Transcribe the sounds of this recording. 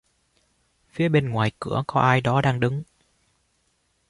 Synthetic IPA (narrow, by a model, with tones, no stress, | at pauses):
fi˨˦əɓe˧nŋwaː˨˩jkɨ̰˧˩əkɔ˨˦ʔaː˧jɗɔ˨˦ɗaː˧ŋɗɨ˨˦ŋ